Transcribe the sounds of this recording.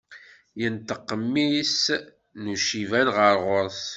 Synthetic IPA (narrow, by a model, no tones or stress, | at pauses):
jənt̪əqːəmːis | nuʃivænʁəɾʁʊɾˤθ